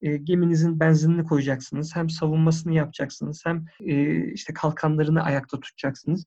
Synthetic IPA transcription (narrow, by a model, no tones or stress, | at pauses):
ɛːɟe̞minizinbænzininʲikʰo̞jud͡ʒaksɯnɯz̥hæmsavunmas̬ɯnɯjapd͡ʒaksɯnɯz̥hæmɛːiʃt̪ʰɛkʰalˠkʰanlˠaɾɯnɯʔajak̚t̪ʰat̪ʰu̥t̪ʰt͡ʃaksɯnɯz̥